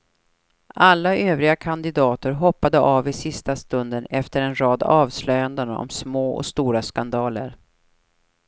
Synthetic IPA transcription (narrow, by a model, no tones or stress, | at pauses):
ʔalːaʔøːvɾɪɡakʰand̪ɪd̪ɑːt̪əɾɦɔpːad̪əʔɑːvɪsɪst̪ast̪ɵnd̪ənɛft̪əɾɛnɾɑːd̪ɑːvslœjand̪ənɔ̰msmoːɔ̰st̪uːɾaskand̪ɑːlə̰ɾ